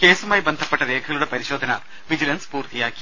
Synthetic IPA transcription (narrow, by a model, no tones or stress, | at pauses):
keːsumɐːjibɐnd̪ʱɐpːɐʈːɐɾeːkʰɐɡɐɭuɽɐpɐɾiʃoːd̪ʱɐnɐ | ʋid͡ʒilɐnspuːɾt̪ijaːɡi